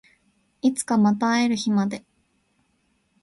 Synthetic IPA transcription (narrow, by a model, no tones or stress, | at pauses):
it͡sɨ̥kamat̪aeɾɯ̟çimad̪e̞